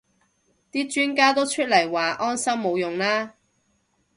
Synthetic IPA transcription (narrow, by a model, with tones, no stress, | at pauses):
t̪iː˥t͡ʃyː˥nkaː˥t̪o˥wt͡ʃʰɵ˥t̚lɐ˨˩jwaː˨ʔɔː˥nsɐ˥wmo˨˧wjʊ˨˩ŋlaː˥